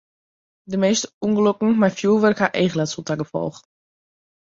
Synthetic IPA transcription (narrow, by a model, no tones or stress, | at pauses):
dəmeːstəuŋɡəløkŋ̩majfjuːlˠʋərkhaʔeːχəlɛtsulˠtaɡəfɔ̰lˠx